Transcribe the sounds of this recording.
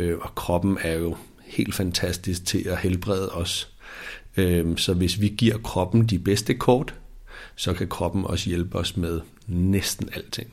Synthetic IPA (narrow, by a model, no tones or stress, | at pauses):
øɒ̽kʰʁɒ̽b̥n̩æɐjo̝ | he̝̰ːld̥fænt͡sʰæsd̥isɡ̥̚t͡sʰe̝læhelb̥ʁɛð̞ˠɒ̽s | øsɒ̽ʋe̝sʋiɡ̥iɐ̰kʰʁɒ̽b̥n̩d̥ib̥esd̥əkʰɒːd̥sɒ̽kʰækʰʁɒ̽b̥n̩ɒ̽səjelb̥əɒ̽smeð̞ˠ | nesd̥n̩æl̰t͡sʰe̝ŋ̰